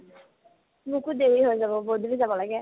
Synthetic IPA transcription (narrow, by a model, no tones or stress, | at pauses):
mukutdeɹiɦojzabɔboduɹizabɔlaɡɛ